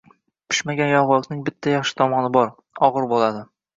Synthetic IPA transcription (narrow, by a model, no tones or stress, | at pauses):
pʰɪ̥ʃmaɡʲanjɒʁɒlqnɪŋbɪt̪ʰːajɑχʃɪ̥t̪ʰɒmɒnɪbɒɾ | ɒʁɨɾbolˠad̪ɪ